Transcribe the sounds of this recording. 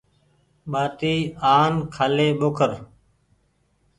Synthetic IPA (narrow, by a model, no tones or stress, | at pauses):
ɓaːt̪iːaːnkʰaːleːɓokʰəɾ